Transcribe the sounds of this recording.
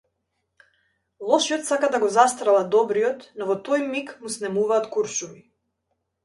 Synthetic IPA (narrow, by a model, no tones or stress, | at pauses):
lˠɔʃiɔt̪sakad̪aɡɔzast̪ɾalˠad̪ɔbɾijɔt̪nɔvɔt̪ɔjmikmusnɛmuvaːt̪kuɾʃumi